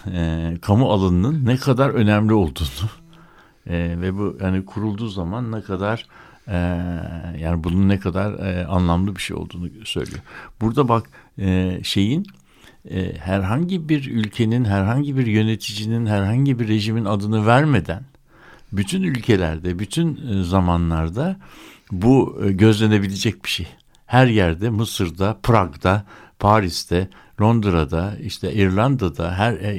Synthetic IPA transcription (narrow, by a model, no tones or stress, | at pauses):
kʰamualˠanɯnɯnːɛkʰad̪aɾø̞næmlʲio̞lˠd̪uːnu | vɛbuhanikʰuɾulˠd̪uːzamanːɛkʰad̪aɾ̥ | jaːnibununːɛkʰad̪aɾa̰nlˠamlˠɯbiʃejo̰lˠd̪uːnusø̞̰jlʲḭjobuɾd̪abakː | ʃe̞jin̰ː | hæɾɦaɲɟibiɾylʲcʰe̞ninɦæɾɦaɲɟibiɾjø̞ne̞t̪ʰid͡ʒininɦæɾɦaɲɟibiɾːe̞ʒiminad̪ɯnɯvæɾme̞d̪æn | byt̪ʰynylʲcʰe̞lʲæ̰ɾd̪ɛbyt̪ʰynzamanlˠaɾd̪a | buɟø̞zlʲene̞bilʲed͡ʒɛc̚bi̥ʃej | hæɾjæɾd̪ɛmɯsɯɾd̪apʰɾaɡd̪a | pʰaːɾist̪ʰɛ | lʲˠo̞nd̪ɾad̪aiʃt̪ʰɛʔiɾlʲˠand̪ad̪a̰ɦæɾ